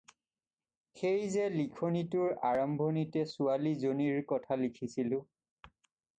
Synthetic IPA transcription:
xejzɛlikʰonitʊɹaɹɔmbʱonitɛsualizoniɹkɔtʰalikʰisilʊ̃

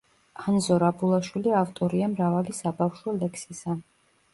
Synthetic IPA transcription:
hanzɔɾabulˠaʃwiliaft̪ʼɔɾiamɾavalisabafʃɔlɛkʰsisa

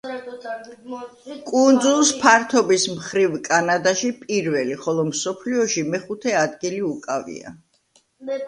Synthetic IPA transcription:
kʼund̪zulˠspʰaɾt̪ʰɔbismχɾivkʼanad̪aʃipʼiɾvɛliχɔlˠɔmsɔpʰliɔʃimɛχut̪ʰɛad̪ɡiliukʼavḭa̰

